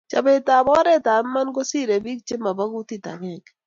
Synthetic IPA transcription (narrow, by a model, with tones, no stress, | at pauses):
t͡ʃɐ̰˨be˦t̪aː˨bɔ˦ɾe˦t̪aː˨n˦mɐ˦nɡo˦si˦ɾe˨bi˦k̚t͡ʃɪ˦mɐ˨bɐ˦ɡu˦t̪i˦t̪a̰˨ŋe˦k